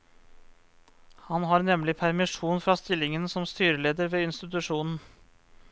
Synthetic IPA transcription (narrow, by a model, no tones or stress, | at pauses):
hɑnɦɑːɾnɛmlɪpʰæɾmɪʂuːnfɾɑːst̪ɪlːɪŋənsɔmst̪yːɾəleːd̪əɾʋeːɪnst̪ɪt̪ʉʂuːnn̩